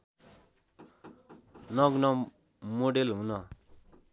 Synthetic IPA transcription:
nʌɡnʌ | moɽelɦũnʌ

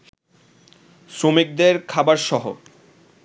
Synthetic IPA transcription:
sɾomik̚d̪eɾkʰabaɾʃɔɦo̰

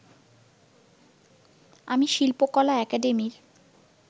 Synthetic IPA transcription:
amiʃilpokɔlaɛkaɖemiɾ

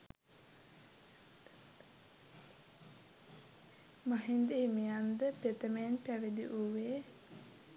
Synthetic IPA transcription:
maɦind̪eimijand̪əpet̪əmenpæʋid̪iʔuʋe

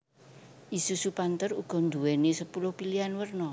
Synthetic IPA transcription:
ʔisusupant̪əruɡ̥ɔ̤nd̪ṳwɛnesəpulʊhpilianwərnɔ

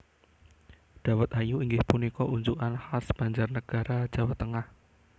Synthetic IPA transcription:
ɖ̪̥a̤wət̪̚ajuiŋɡɪhpunikɔʔuɲd͡ʒuʔanhasb̥a̤ɲd͡ʒarnəɡ̥a̤ɾad̥d͡ʒ̥a̤wat̪ːəŋah

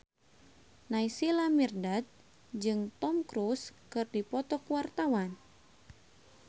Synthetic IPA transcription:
najsilamirdat̪̚ | d͡ʒɨŋt̪ɔmkɾuskɨrdipɔt̪ɔkuwart̪awan

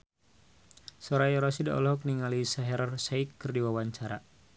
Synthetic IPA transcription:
sɔɾajɔɾɔsida̰ʔɔ̰lɔɦɔk̚niŋalisaɦɛɾɔrsaikːɨrdiwawaɲt͡ʃaɾa

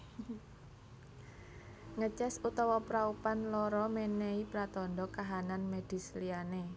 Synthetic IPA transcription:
ŋət͡ʃɛsut̪ɔwɔpɾaupanlɔɾɔmeneipɾat̪ɔndɔkaɦananmed̪̥i̤sliane

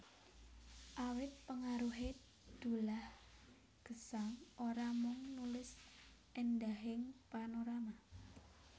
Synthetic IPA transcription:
ʔawɪt̪̚pəŋaɾuɦe | d̪̥ulah | ɡ̥ə̤saŋʔoɾamʊŋnulɪsʔendaɦɪŋpanoɾama

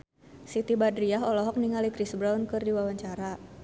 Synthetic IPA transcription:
sit̪ibadɾiaɦɔlɔɦɔk̚niŋalikɾisbɾaunkɨrdiwawaɲt͡ʃaɾa

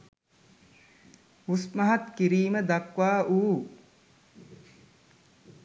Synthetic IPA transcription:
usmɐɦat̪kiɾiːməd̪ɐkʋaːʔuː

